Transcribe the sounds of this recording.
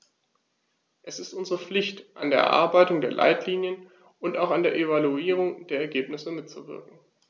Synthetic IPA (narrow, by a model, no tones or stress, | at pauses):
ʔɛsɪstʔʊnzəʁəp͡flɪçtʔandeːɐʔɛ̰ʔa̰ɐbaɪtʊŋdeːɐlʔa̰ɪtʰliːnjən | ʊntaʊxandeːɐʔevaluiːʁ̞ʊŋd̥eːɐɛɐɡeːpnɪsəmɪtt͡suvɪ̰ɐkŋ̩